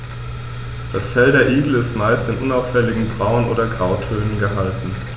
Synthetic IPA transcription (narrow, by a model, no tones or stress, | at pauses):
d̥asfɛldɐɐʔiːɡl̩ɪstmaɪstɪnʔʊnaʊfɛlɪɡŋ̩bʁaʊənʔo̰ːdɐɡʁaʊtʰøːnənɡəɦaltn̩